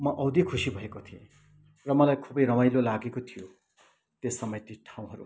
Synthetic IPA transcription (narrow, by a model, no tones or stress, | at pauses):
mʌʔʌwd̪ʱikʰusibʱʌekot̪ʰiḛ̃ | rʌmʌlajkʰobʌjɾʌmajlolaɡekot̪ʰijo | t̪esʌmʌjt̪iʈʰaũɦʌɾṵ